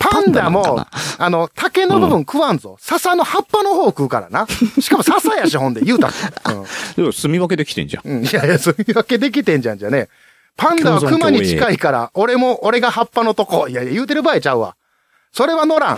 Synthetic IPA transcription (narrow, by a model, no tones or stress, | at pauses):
pãnd̪amo̞̰ano̞t̪ʰake̞no̞bɯ̟bɯ̟̃ŋkɯ̟βanzo̰sasano̞hapːano̞ɦo̞ːkɯ̟ːkaɾa̰naɕi̥kamo̞sasajaɕiɦõ̞nd̪e̞jɯ̟ːt̪a̰t̪ːɯ̰̃ːdsɨmʲiβaked̪ekʲt̪ḛ̃ɲd͡ʒã̰ɯ̃ːijajasɨmʲiβake̞d̪e̞k̬ʲit̪ẽ̞ɲd͡ʑã̰ɲd͡ʑane̞ | pãnd̪aβakɯ̟maɲ̟it͡ɕi̥kaikaɾa̰o̞ɾe̞mo̞ʔːɾe̞ɡahapːano̞t̪o̞ko̞ijajajɯ̟ːt̪e̞ɾɯ̟baːit͡ɕaɯ̟βa̰ | so̞ɾe̞βano̞ɾã̰ŋ